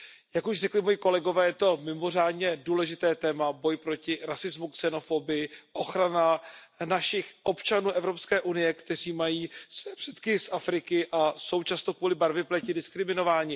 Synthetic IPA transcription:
jakuʃrɛklɪmo̞jiko̞lɛɡo̞vɛːjɛt̪o̞mɪmo̞r̝aːdɲɛduːlɛʒɪt̪ɛːt̪ɛːmabo̞jpɾo̞cɪɾasɪzmuksɛno̞fobɪjɪʔo̞xɾana | naʃɪxʔo̞pt͡ʃanuːʔɛvɾo̞pskɛːʔunɪjɛkt̪ɛr̝iːmajiːsvɛɛpr̥ɛt̪kɪsʔafɾɪkɪʔaso̞wt͡ʃast̪okvuːlɪbaɾvɪplɛcɪdɪskɾɪmɪno̞vaːɲɪ

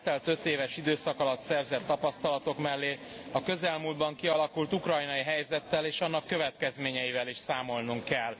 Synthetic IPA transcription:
t̪ɛlt̪ø̞t̪eːvɛʃid̪øːsɒkɒlɒt̪sɛrzɛt̪ːɒpɒst̪ɒlɒt̪o̞kmɛlːeː | ɒkø̞zɛlmuːld̪bɒŋkiɒlɒkult̪ukrɒjnɒjiɦɛjzɛt̪ːɛleːʃɒnːɒkːø̞vɛt̪kɛzmeːɲɛivɛliʃsaːmo̞lnuŋkːɛl

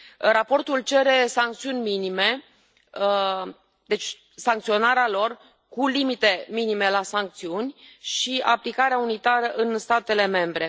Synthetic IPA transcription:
rapo̞rt̪ult͡ʃe̞ɾe̞saŋk̚t̪siunʲminime̞ | d̪e̞t͡ʃʲ | saŋk̚t̪sio̞naɾealo̞r | kulimit̪e̞minime̞lasaŋk̚t̪siunʲʃia̰plikaɾeaunit̪aɾəʔɨnst̪at̪e̞le̞me̞mbɾe̞

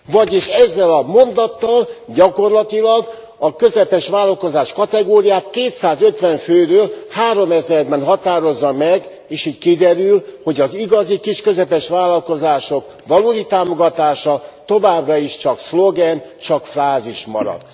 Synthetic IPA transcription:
vɒɟeːʃɛzːɛlɒmo̞nd̪ɒt̪ːɒlɟɒko̞rlɒt̪ilɒɡ | ɒkø̞zɛpɛʃʋaːlːɒlko̞zaːʃkɒt̪ɛɡoːɾijaːt̪keːt̪saːzø̞t̪ʋɛɱføːɾøːlhaːɾo̞mɛzɛrbɛnɦɒt̪aːɾo̞zːɒmɛɡ | eːʃiːckid̪ɛɾylho̞ɟɒziɡɒzikiʃkø̞zɛpɛʃʋaːlɒlko̞zaːʃo̞k | ʋɒloːd̪it̪aːmo̞ɡɒt̪aːʃɒt̪o̞vaːbrɒiʃt͡ʃɒkslo̞ɡɛnt͡ʃɒkfraːziʃmɒ̰ɾɒ̰d̪̥

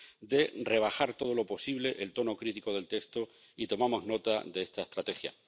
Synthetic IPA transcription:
d̪e̞re̞β̞axaɾt̪o̞ð̞o̞lo̞po̞siβleʔelt̪o̞no̞kɾit̪iko̞ð̞e̞lt̪e̞kst̪o̞ | it̪o̞mamo̞zno̞t̪adeest̪aest̪ɾat̪exja̰

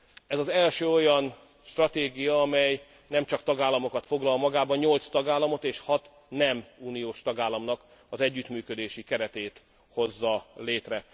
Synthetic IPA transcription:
ɛzɒzɛlʃøːo̞jɒn | ʃt̪rɒt̪eːɡijɒɒmɛj | nɛmt͡ʃɒkt̪ɒɡaːlːɒmo̞kɒt̪fo̞ɡlɒlmɒɡaːbɒɲɲo̞lt̪st̪ɒɡaːlɒmo̞t̪eːʃhɒt̪ | nɛmuːnijoːʃt̪ɒɡaːlːɒmnɒk | ɒzɛɟːyt̪myːkø̞d̪eːʃikɛɾɛt̪eːt̪ | ho̞zːɒleːt̪rɛ

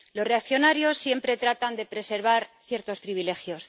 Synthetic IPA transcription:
lo̞sre̞akθjo̞naɾjo̞sːje̞mpɾe̞t̪ɾat̪and̪e̞pɾe̞se̞ɾβaɾθje̞ɾt̪o̞spɾiβile̞xjo̞s

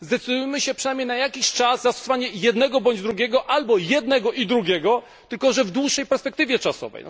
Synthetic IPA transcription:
zd̪ɛt̪sɘd̪ujɛmɘɕɛpʂɛnajmɲejnajakʲiɕt͡ʂazzast̪ɔ̥sɔvaɲɛjɛd̪nɛɡɔbɔɲd͡ʑd̪ɾuɡʲjɛɡɔʔalbɔjɛd̪nɛɡɔʔid̪ɾuɡʲjɛɡɔ | t̪ɘlkɔʐɛvd̪wuʂːɛjpɛɾspɛkt̪ɘvʲjɛt͡ʂasɔ̰vɛ̰jn

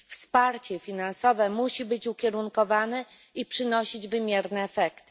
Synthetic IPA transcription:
fspaɾt͡ɕɛfʲinansɔvɛmuɕibɘt͡ɕukʲɛɾuŋkɔvanɛ | ipʂɘnɔɕid͡ʑvɘmʲjɛɾnɛːfɛkt̪ɘ̥

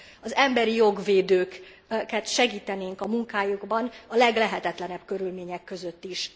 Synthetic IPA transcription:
ɒzɛmbɛɾijo̞ɡveːd̪øːk | kɛt̪ʃɛɡiːt̪ɛneːŋkɒmuŋkaːjuɡbɒnɒlɛɡlɛɦɛt̪ɛt̪lɛnɛbkø̞ɾylmeːɲɛkːø̞zø̞t̪ːiʃ

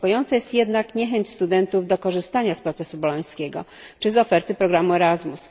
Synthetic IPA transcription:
kɔjɔnt̪sɛjɛst̪jɛd̪nakɲɛxɛɲt͡ɕst̪ud̪ɛnt̪uvd̪ɔkɔʐɘst̪aɲaspɾɔt̪sɛsubɔlɔj̃skʲɛɡɔ̰ | t͡ʂɘzɔfɛɾt̪ɘpɾɔɡɾamuɛɾazmus

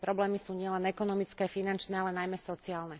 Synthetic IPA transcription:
pɾɔblɛːmisuːɲɪɛlɛnɛkɔnɔmit͡skɛːfinant͡ʃnɛːalɛnajmɛsɔt͡siaːlnɛ

